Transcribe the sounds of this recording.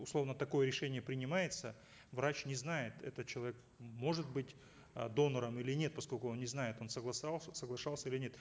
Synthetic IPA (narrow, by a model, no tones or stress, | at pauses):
ʊslˠo̞vnət̪ɐko̞jəɾʲɪʂɛnʲɪjəpɾʲɪnʲɪmajɪt̪sə | vɾat͡ɕnʲɪznajɪt̪ɛ̰t̪ət͡ɕɪlˠɐvʲek | mo̞ʐɨt̪bɨtʲ | d̪o̞nəɾəmilʲɪnʲe̞t̪̚pɐsko̞lʲkʊo̞nnʲɪznajɪt̪o̞nsəɡlˠɐsalˠəsəɡlˠɐʂɑlˠsʲəilʲɪnʲe̞t̪